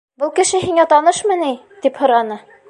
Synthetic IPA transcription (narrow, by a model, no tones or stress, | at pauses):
bɤlˠkɘ̆ʃɘɦiŋæt̪ɑnɤʃmɤ̆ni | t̪iphŏɾɑnɤ